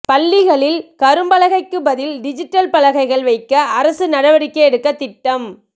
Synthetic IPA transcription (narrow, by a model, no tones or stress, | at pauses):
pɐlːɪɣɐɭɪlkɐɾɯmbɐlɐɣɐɪkːɯbɐðɪlɖɪd͡ʒɪʈːɐlpɐlɐɣɐɪɣɐɭʋɐɪkːɐːɾɐsɯnɐɽɐʋɐɽɪkːɐɛɽɯkːɐt̪ːɪʈːɐm